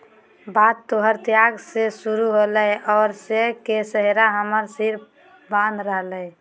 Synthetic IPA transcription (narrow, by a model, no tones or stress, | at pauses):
bad̪t̪ːoɦəɾt̪jaɡsesuɾuɦoləjɔːɾsekesəɦeɾaɦəməɾsiɾ | bãnd̪ɾəɦləj